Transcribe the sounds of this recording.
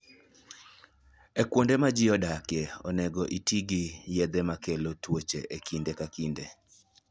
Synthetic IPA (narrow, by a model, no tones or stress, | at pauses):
ekwondemad͡ʒɪɔdakeɔ̰nɛɡɔʔitiɡijɛd̪ɛmakelotwot͡ʃeʔekʰindekakinde